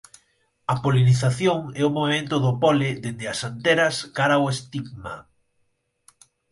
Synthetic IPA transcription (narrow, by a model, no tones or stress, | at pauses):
ɐpoliniθaθjoŋɛʊmoβemẽnt̪ʊðʊpɔlɪðend̪ɪasant̪eɾɐskaɾaoest̪iɡma